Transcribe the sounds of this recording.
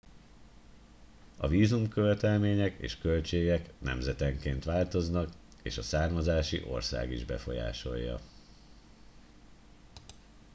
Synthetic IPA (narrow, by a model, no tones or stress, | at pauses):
ɒviːzumkø̞vɛt̪ɛlmeːɲɛkḛːʃkø̞lt͡ʃeːɡɛknɛ̰mzɛt̪ɛŋkeːnt̪ʋaːlt̪o̞znɒk | eːʃɒsaːrmɒzaːʃḭʔo̞̰rsa̰ːɡiʒbɛfo̞̰ja̰ːʃo̞jːɒ̰